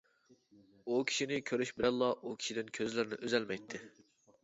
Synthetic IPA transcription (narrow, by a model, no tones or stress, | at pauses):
ukʲʰi̥ʃinɪkʲʰøɾyʃbɪɾɛlˠːɑʔukʲʰi̥ʃid̪ɪnkʲʰøzlɪɾnɪ̰ʔøzɛlmɛjt̪ʰːɪ